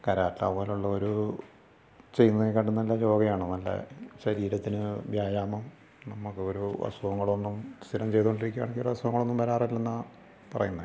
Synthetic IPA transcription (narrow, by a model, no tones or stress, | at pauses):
kɐɾaːtla̰poːluɭːɐoɾu | t͡ɕe̞junːɐðekːɐɳɖunːɐlːɐɾo̞ːɡɐjaːɳomɐlːɐ̰ɕɐɾiːɾɐt̪ːinɨbjaːjaːmɐm | nɐmːukːɨoɾuʋɐ̰sɐʋɐŋːɐɭo̞nːumst̪ilɐmt͡ɕe̞jt̪uɣoɳɖiɾikʲːua̰ːɳeŋɡioɾuʋɐsuʋɐŋːɐɭo̞nːumpɐɾaːrilːenːa | pɐrɐ̰junːɐð